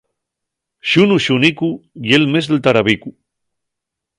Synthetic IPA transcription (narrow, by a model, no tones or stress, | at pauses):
ʃunuʃunikujelmezðelt̪aɾaβiku